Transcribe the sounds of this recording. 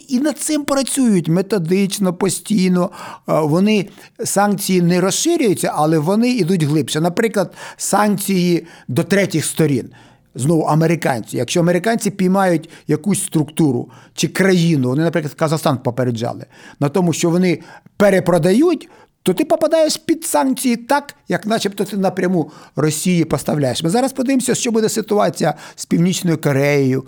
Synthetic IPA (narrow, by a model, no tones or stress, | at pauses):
inɐd̪̚sɪmpɾɐt͡sʲujʊtʲmet̪ɔd̪ɪt͡ʃnɔpɔsʲtʲijnɔʋɔnɪ | sɑnkt͡sʲijinɛɾɔsʃɪɾʲʊjʊt͡sʲːɐʔɐlˠɛʋɔnɪid̪utʲɦlˠɪpʃɛnɐpɾɪklˠɐd̪sɑnkt͡sʲijid̪ɔt̪ɾɛtʲɪxst̪ɔɾʲḭn | znɔʋʊʔɐmeɾɪkɑ̰nʲt͡sʲḭjɐkʃt͡ʃɔɐmeɾɪkɑnʲt͡sʲipʲijmɑjʊtʲjɐkusʲst̪ɾʊkt̪uɾʊ̰t͡ʃɪkɾɐjinʊʋɔnɪnɐpɾɪklˠɐd̪kɐzɐxst̪ɑnpɔpeɾed͡ʒɑ̰lˠɪ̰nɐt̪ɔmʊʃt͡ʃɔʋɔnɪpeɾepɾɔd̪ɐjutʲ | t̪ɔt̪ɪpɔpɐd̪ɑjeʃpʲid̪sɑnt͡sʲijit̪ɑkjɐknɐt͡ʃɛpt̪ɔt̪ɪnɐpɾʲɐmurɔsʲijipɔst̪ɐwlʲajeʃmɪzɑɾɐspɔd̪ɪʋemsʲɐʃt͡ʃɔbud̪ɛsɪt̪ʊɑt͡sʲijɐspʲiwnʲit͡ʃnɔjʊkɔɾɛjɔjʊ